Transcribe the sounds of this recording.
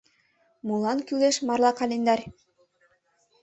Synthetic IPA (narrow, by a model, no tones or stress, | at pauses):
mulˠɑnkyleʃmɑɾlˠɑqalʲind̪ɑɾʲ